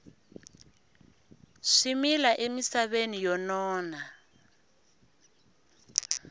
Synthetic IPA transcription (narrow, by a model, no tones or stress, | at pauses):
ʂimilaʔemisaβenijɔnɔːna